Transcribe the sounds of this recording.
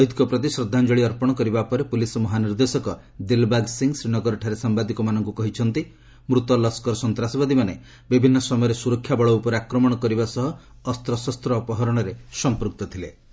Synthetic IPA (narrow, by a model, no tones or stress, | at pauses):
ɔɦid̪kɔpɾɔt̪̬isɾɔd̪ʱːand͡ʒɔɭiɔɾpɔɽ̃ɔkɔɾibapɔɾepulisɔmɔɦaniɾd̪esɔkɔ | d̪ilbaɡsiŋɡsɾinɔɡɔɾɔʈʰaɾesambad̪ikɔmanɔŋkukɔɦit͡ʃʰɔnt̪i | mɾut̪ɔlɔskɔɾɔsɔnt̪ɾasɔbad̪imane | bibʱinːɔsɔmɔjɔɾesuɾɔkʰːjabɔɭɔupɔɾeakɾɔmɔɽ̃ɔkɔɾibasɔɦɔː | st̪ɾɔsɔst̪ɾɔːpɔɦɔɾɔɽ̃ɔɾesɔmpɾuk̚t̪ɔt̪ʰile